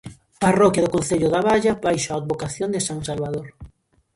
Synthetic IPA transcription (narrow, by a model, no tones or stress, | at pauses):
parɔkjaðʊkonθeʎʊðaβaʎabajʃoaad̪̚βokaθjond̪ɪsaŋsalβaðoɾ